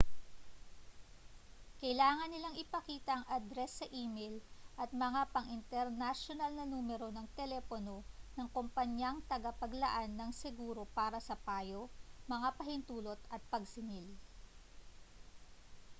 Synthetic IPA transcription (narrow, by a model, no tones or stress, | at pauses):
kɐɪlaːŋɐnːɪlaŋɪpɐkiːt̪ɐʔɐŋʔɐd̪ɾɛsːɐʔiːmejlʔɐt̪̚mɐŋapɐŋʔɪnt̪ɛɾnaʃonɐlnɐnuːmɛɾo̞nɐŋt̪ɛlɛpono̞nɐŋkompɐɲɐŋt̪ɐɡɐpɐɡlɐʔanːɐŋsɛɡuːɾo̞paːɾɐsɐpaːjomɐŋapɐɦɪnt̪uːlo̞t̪ɐt̪̚pɐɡsɪnɪl